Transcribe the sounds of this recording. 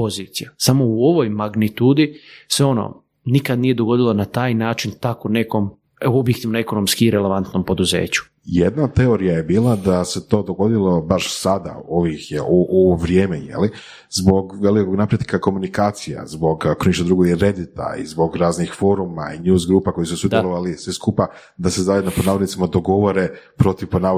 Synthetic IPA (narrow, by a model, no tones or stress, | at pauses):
po̞ziːt̪sijasamo̞uo̞ʋo̞jmaɡnit̪uːd̪iseo̞no̰ | nikad̪nije̞d̪o̞ɡo̞d̪ilanat̪aːjnaːt͡ʃint̪akone̞ko̞m | objek̚t̪iːʋnoeko̞no̞mskiːɾele̞ʋant̪no̞mpo̞d̪uze̞̰ːt͡ɕu̥ | jed̪nat̪e̞o̞ɾijajebiːlˠad̪ase̞t̪o̞ːd̪o̞ɡo̞d̪ilˠo̞baʃsad̪a̰o̞ʋixjeoʔoʋoʋɾjeːmejḛli | zbo̞ɡʋe̞likoɡnapɾjet̪kako̞munikaːt̪sija̰zbo̞ɡkniʃt̪od̪ɾuɡoɡiɾe̞d̪it̪a̰ḭzbo̞ɡɾaːznixfo̞ɾuma̰injuːzɡɾuːpako̞jisusʋud̪jloʋalisʋeskupa | d̪ase̞zajed̪noponaːʋod̪nit̪imad̪o̞ɡo̞ʋo̞ɾe̞pɾo̞t̪iʋponaː